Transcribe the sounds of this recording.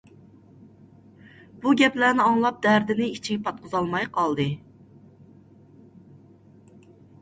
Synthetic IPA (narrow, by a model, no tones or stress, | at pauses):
b̥uɡʲɛplænɪɑŋlˠɑp̚d̪æɾd̪ɪnɪit͡ʃʰiɡʲpʰɑt̪̚qʰʊzɑlˠmɑjqʰɑlˠd̪ɨ